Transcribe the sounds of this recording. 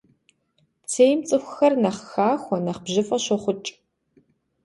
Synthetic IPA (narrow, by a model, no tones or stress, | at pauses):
t͡sʰeːjmt͡sʼɨxʷʊxɐrnɐχxaːxʷɔnɐχbʑɪfʼɐɕɔχʷʊt͡ʃʼ